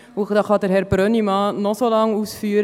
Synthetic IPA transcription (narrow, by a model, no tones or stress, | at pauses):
ʊd̥ɑːχɑd̪əɾhɛɾb̥ɾœnimɑːnɔsolɑŋuːsfyːɾ